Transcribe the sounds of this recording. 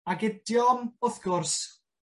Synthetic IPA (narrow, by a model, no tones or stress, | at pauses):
aɡɪdjɔmʊθɡʊrs